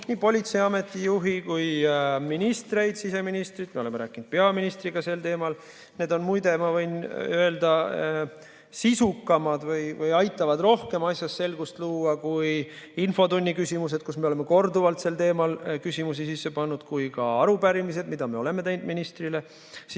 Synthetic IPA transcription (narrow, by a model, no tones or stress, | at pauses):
niːpo̞lʲit̪sejɑme̞t̪ːˑijuɦikujminist̪re̞jd̪̥sise̞minist̪rid̪me̞oe̞meɾæːkːˑind̪̥̚pe̞ɑminist̪riɡ̥ɑse̞lt̪e̞ːmɑl | ne̞ːd̪o̞nmujd̪e̞mɑvɤjnøe̞ld̪̥ɑ | sisukːˑɑmɑd̪vɯjvɯjɑjt̪ːˑɑvɑd̪ro̞hke̞mɑsʲjɑsːe̞lɡ̥ust̪luːɑkuj | info̞t̪unʲːikysʲimus̬e̞d̪̥̚kusme̞olemːe̞ko̞rd̪uvɑlt̪se̞lt̪e̞ːmɑlkysʲimus̬isisːe̞pɑnːud̪̥kujkɑɑɾubæɾimise̞d̪̥mid̪̥ɑme̞o̞le̞me̞t̪e̞jnd̪minist̪rile̞ | s